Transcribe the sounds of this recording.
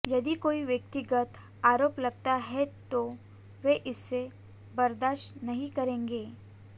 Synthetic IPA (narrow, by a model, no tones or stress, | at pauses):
jɐd̪ikoːiʋjək̚t̪ɪɡət̪ | aːɾoːplɐɡ̚t̪aɦɛt̪o | ʋeʔɪsːe | bɐɾd̪aːʃnɐɦĩkɐɾẽːŋɡeː